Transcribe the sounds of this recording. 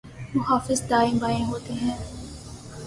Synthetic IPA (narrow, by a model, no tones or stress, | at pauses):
mʊɦaːfɪzd̪aːẽbaːẽɦoːt̪eɦɛ̃ː